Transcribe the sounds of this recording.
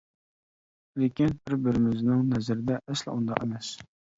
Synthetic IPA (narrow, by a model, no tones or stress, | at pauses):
lekʲinbɪɾbɪɾɪmɪznɪŋnɛzɪɾɪd̪ɛʔɛslɪ̰ʔund̪ɑ̰qemɛs